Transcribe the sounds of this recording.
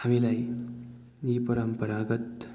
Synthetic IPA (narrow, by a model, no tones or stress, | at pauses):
hamilaj | jipəɾəmpəɾaɡət̪